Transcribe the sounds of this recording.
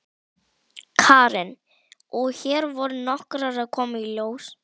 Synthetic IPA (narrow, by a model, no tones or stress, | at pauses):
kʰaːɾɪn | ɔɣçɛːɾvɔɾnɔhkɾaɾaðkʰɔːmailjoːws